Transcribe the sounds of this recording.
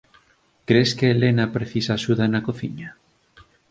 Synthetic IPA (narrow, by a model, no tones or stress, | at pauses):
kɾeskeːlenapɾeθisaʃuðanakoθiɲa